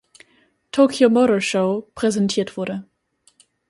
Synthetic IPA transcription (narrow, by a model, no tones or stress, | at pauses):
tʰoːkʰjomoɾəʃoʊpʁ̥ɛzɛntʰiːɐtv̥ʊɐɾə